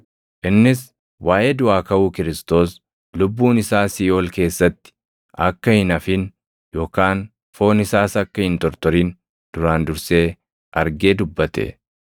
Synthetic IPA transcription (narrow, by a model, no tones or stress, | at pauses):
ʔɪnːɪs | wʔaːjʔed̪ʊaːkɐʔuːkɪɾɪst̪o̞ːs | lʊbːuːnɪsaːsɪjo̞ːlke̞ːsːɐt̪ːɪ̥ | ʔɐkːɐhɪnɐfɪn | jo̞ːkaːn | fo̞ːnɪsaːsɐkːɐhɪnt̪ɔɾt̪ɔɾiːn | d̪̥ʊɾaːnd̪ʊɾse̞ː | ʔɐɾɡe̞ːd̪ʊbːɐt̪ɛ̰